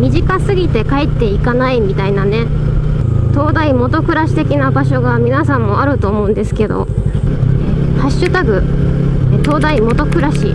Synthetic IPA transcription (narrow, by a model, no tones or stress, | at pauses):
mʲiʑikasɨɡʲit̪e̞kaet̪ːe̞ikanaimʲit̪ainane̞ | t̪o̞ːd̪aimo̞t̪o̞kɯ̟ɾaɕi̥t̪e̞kʲinabaɕ̬o̞ɡamʲinasãmːo̞aɾɯ̟t̪o̞ːmo̞ɯ̟̃nd̪e̞sɨ̥ke̞d̪o̞̰ | haɕːɨt̪aɡɯ̟ | t̪o̞ːd̪aimo̞t̪o̞kɯ̟ɾaɕi